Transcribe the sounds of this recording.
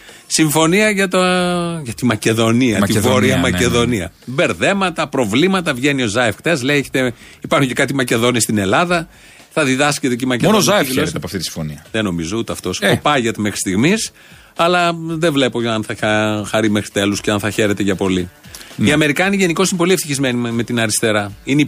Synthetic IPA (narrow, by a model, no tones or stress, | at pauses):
siɱfo̞niɐʝɐt̪oʝɐt̪imɐce̞ðo̞niɐt̪ivoɾiɐmɐce̞ðo̞niɐ̰be̞ɾðe̞mɐt̪ɐpɾo̞vlimɐt̪ɐvʝe̞nio̞zɐefxt̪ezleieçe̥t̪e | ipɐɾxuɲcekɐt̪imɐce̞ðo̞niest̪ine̞lɐðɐ | θɐðiðɐscet̪eceimɐceonozɐeflɐpoɐft̪it̪isĩ̥foniɐðeno̞mizout̪eɐft̪o̞sopɐʝet̪eme̞xɾi̥st̪iɣmis | ɐlɐðevle̞po̞ɐnθɐɐxɐɾimexɾit̪e̞lusceɐnθɐçe̞ɾe̞t̪eʝɐpo̞liiɐme̞ɾikɐniʝe̞niko̞sinepo̞liefθiçizme̞nime̞t̪inɐɾist̪e̞ɾɐine